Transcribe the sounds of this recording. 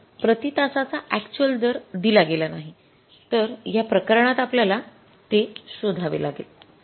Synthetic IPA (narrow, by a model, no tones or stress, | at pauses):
pɾət̪it̪asat͡saʔækt͡ɕuəld̪əɾd̪ilaɡelanaɦi | t̪əɾjapɾəkəɾɳ̃at̪apljala | t̪esod̪ʱaʋḛlaɡḛl